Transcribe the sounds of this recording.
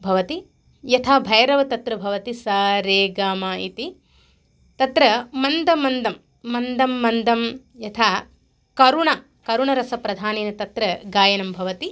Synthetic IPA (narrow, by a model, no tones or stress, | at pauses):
bʱɐʋɐt̪i | jɐt̪ʰaːbʱɐjɐɾɐʋɐt̪ɐt̪ɾɐbʱɐʋɐt̪isaːɾeːɡaːmaːit̪i | t̪ɐt̪ɾɐmɐnd̪ɐmɐnd̪ɐmː | ɐnd̪ɐmːɐnd̪ɐm | jɐt̪ʰaː | kɐɾuɳɐ | kɐɾuɳɐɾɐsɐpɾɐd̪ʱaːneːnɐt̪ɐt̪ɾɐɡaːjɐnɐmbʱɐʋɐt̪i